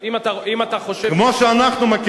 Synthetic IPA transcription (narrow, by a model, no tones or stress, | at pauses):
imat̪aimat̪aχo̞ʃekmoʃeanaχnumak